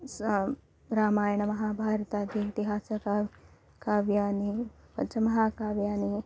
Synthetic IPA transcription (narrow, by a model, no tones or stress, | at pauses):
sɐ | ɾaːmaːjɐɳɐmɐɦaːbʱaːɾɐt̪aːd̪ʱjɐkt̪iɦaːsɐka | kaːʋjaːni | pɐnt͡ʃɐmɐɦaːkaːʋjaːni